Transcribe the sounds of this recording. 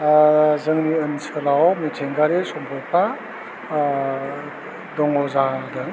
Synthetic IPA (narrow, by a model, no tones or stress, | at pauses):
zɯŋniɯnsɯlawmitʰeŋɡaɾesɔmpʰɔjpʰa | dɔŋɔzadɯŋ